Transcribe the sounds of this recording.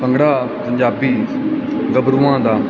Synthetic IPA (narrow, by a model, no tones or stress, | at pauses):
pəŋɡɽaːpəɲd͡ʒaːbiː | ɡəbɾuːãːd̪aː